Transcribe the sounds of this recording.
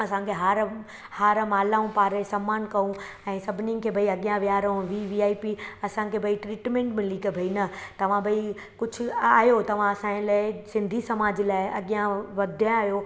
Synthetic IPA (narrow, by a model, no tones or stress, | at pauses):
ɐsãkʰeɦaːɾ | haːɾmaːlaːũpaːɾesɐmːaːnkɐũ | ɛ̃ːsɐbʱɪnɪ̃kʰeːbʱɐiɐɠijãʋijaːɾɐũʋiʋiaːipiɐsãkʰebʱɐiʈɾiːʈmẽːɳʈmɪ̃likbʱɐinɐt̪ɐʋ̤ãbʱɐi | kʊd͡ʑʱʰʊ̆a̰ːɦjot̪ɐʋ̤ãɐsãːlaːɪsɪ̃nd̪ʱisɐmaːd͡ʑɪlaːɪɐɠijãʋɐd̪ʱjãaːɦjo